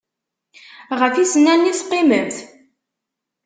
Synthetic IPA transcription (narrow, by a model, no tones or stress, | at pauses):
ʁəfisənːænːiθqːiməmθ